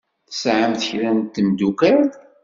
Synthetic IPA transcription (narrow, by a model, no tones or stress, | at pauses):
θəsʕəmθəçɾænt̪ːəmd̪ukæ